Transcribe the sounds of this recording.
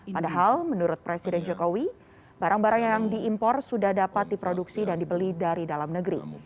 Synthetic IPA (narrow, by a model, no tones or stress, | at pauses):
padaɦalmənuɾʊt̪̚pɾesidɛnd͡ʒokowi | baɾaŋbaɾaŋjaŋdiimpɔrsudahdapat̪̚dipɾoduksidandibəlidaɾidalamnəɡɾḭ